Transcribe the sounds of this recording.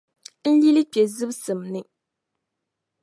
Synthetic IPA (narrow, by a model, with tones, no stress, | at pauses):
n̩˦li˦lɨ˦pɛ˨zɨ˦bsɨ˨mnɨ˨